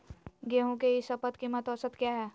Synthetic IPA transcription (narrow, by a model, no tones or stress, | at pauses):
ɡeɦõkeɪsɐpət̪kimət̪ɔːsət̪kjaːɦɛː